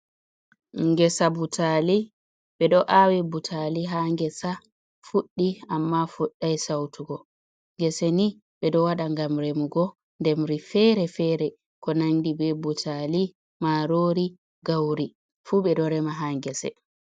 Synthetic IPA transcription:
ŋɡɛsabutali | ɓɛɗɔʔawibutʰaliɦaŋɡɛsa | fuɗːiamːafuɗːajsawtʰuɡɔ | ŋɡɛsɛni | ɓɛɗɔwaɗaŋɡamɾemuɡɔ | ndɛmɾifɛɾɛfɛɾɛ | kɔnaŋdibɛbutʰali | maɾoɾi | ɡawɾi | fuɓɛɗɔɾɛmaɦaŋɡɛsɛ̰

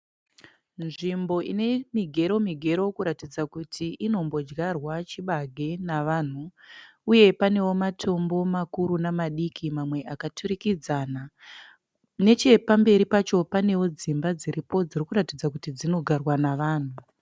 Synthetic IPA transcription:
nʐimbo̞ʔḭne̞miɡʱe̞ɾo̞miɡʱe̞ɾo̞kuɾatid͡zakutʰiʔino̞mbo̞d͡ʒɡarwat͡ʃiɓaɡʱe̞naʋan̤uuje̞pane̞wo̞matʰo̞mbo̞makuɾunamaɗikʰimamwe̞ʔakatʰurikid͡zaːna | ne̞t͡ʃe̞pambe̞ɾipat͡ʃo̞pane̞wo̞d͡zimbad͡ziɾipo̞d͡zirikuɾatid͡zakutid͡zino̞ɡʱarwanaʋaːn̤u

